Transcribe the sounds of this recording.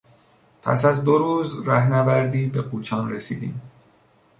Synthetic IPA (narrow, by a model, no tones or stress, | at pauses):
pʰæ̰sæzd̪oɾuːzɾæhnævæɾd̪iːbe̞ɡuːt͡ʃʰɒːnresḭːd̪ḭːm